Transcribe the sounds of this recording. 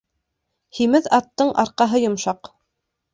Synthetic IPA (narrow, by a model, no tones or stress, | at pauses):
himɘðɑt̪ːɤɴʔɑ̰ɾqɑɦɤjŏmʃɑq